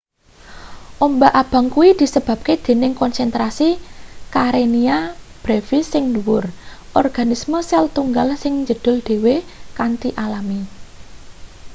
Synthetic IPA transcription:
ʔombaʔab̥ä̤ŋkuwid̪̥i̤səb̥ä̤p̚ked̪̥e̤nɪŋkɔnsɛnt̪ɾasikaɾeniab̥ɾefisɪŋduwʊrʔɔrɡ̥a̤nisməsɛlt̪uŋɡalsɪŋɲd͡ʒəd̪̥ʊ̤lɖ̪̥e̤wekant̪iʔalami

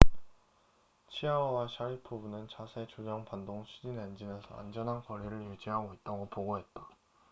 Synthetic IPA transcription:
t͡ɕʰiaʌwaɕʰaɾipʰubunɯnt͡ɕasʰe̞t͡ɕod͡ʑʌŋpandoŋt͡ɕʰud͡ʑinand͡ʑinesʰʌ̰a̰nd͡ʑʌnɦankʌɾiɾɯɭjud͡ʑiɦaɡoit̚t͈aɡopoɡoɦe̞t̚t͈ḁ

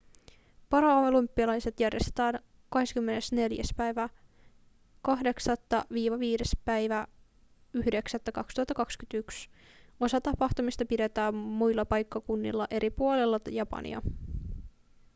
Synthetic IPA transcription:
pɑɾɑolumpːiɑlɑjse̞t̪jærjest̪et̪æːn | kɑɦe̞skymːenesne̞ljæ̰spæjʋæ | kɑɦde̞ksɑt̪ːɑʋiːʋɑʋiːde̞spæjʋæ | yhde̞ksæt̪ːækɑkst̪uhɑt̪ːɑkɑkskynt̪yks | o̞sɑt̪ɑpɑxt̪umist̪ɑpide̞t̪æːmːujlːɑpɑjkːɑkunːḭlːɑʔe̞ɾʔipuolelːɑt̪ɑjɑpɑ̰nḭɑ̰

